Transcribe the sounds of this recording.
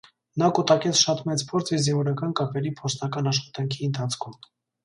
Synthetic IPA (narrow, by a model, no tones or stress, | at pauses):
nɑkut̪ɑkɛt͡sʰʃɑt̪mɛt͡spʰɔɾt͡sʰɛvzinvɔɾɑkɑnkɑpʰɛɾipʰɔɾt͡sʰnɑkɑnɑʃχɑ̥t̪ɑŋkʰiənt̪ʰɑt͡sʰkʰum